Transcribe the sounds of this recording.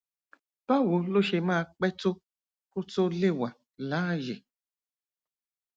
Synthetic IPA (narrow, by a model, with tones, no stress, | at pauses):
tɔ˦˨wo˨lo˦ʃe˧mãː˦˧˨k͡pɛ˦to˦ | ko˦to˦le˦˨wa˨ | la˨˦ʒe˨